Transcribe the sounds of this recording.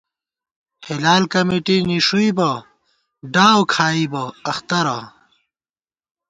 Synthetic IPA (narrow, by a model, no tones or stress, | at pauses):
hilaːlkɐmiʈiniʂuibɐ | ɖaːwkʰaːibɐɐxt̪ɐɾɐ